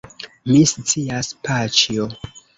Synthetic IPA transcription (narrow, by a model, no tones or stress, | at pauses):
mist͡siaspat͡ʃio